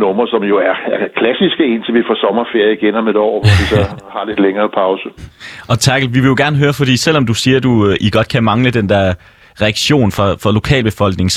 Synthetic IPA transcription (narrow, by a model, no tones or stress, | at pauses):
nɔ̽mɐsɒ̽mjo̝æɐkʰlæsisɡ̥əe̝nt͡sʰeʋifɒsɒ̽mɐfe̝ɐ̰jəiɡ̥enɑmed̥ɒ̰ːʋɒʋisɒ̽hɑ̈le̝d̥leŋɐːpʰɑ̈ʊsəɒ̽t͡sʰɑ̈ɡ̥l̩ʋiʋe̝jo̝ɡ̥æɐnəɦøːɐfɒ̽d̥ḭːsel̰ɒ̽md̥usiːɐd̥uʔiɡ̥ɒ̽d̥̚kʰæmɑ̈ŋləd̥end̥ɛɐ̰ | ʁɛɑɡ̥ɕo̝̰ːnfʁɑ̈fʁɑ̈lo̝kʰɛ̰ːlb̥efɒ̽l̰ɡ̥̚ne̝ŋ